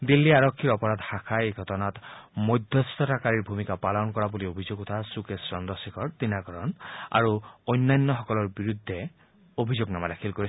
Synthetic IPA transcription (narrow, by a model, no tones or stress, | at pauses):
d̪ilːiaɹɔkʰːiɹɔpɔɹad̪hakʰajeɡʱɔtɔnat̪mɔjd̪ʱjɔst̪ɔtakaɹiɹbʱumikapalɔnkɔɹabuliobʱizoɡut̪ʰasukesɹɔnd̪ɔsikʰɔɹt̪inaɡɔɹɔna̰ɹuɔjnːajnːɔxɔkɔlɔɹbiɹud̪ʱːe | obʱizoɡnamad̪akʰilkoɹi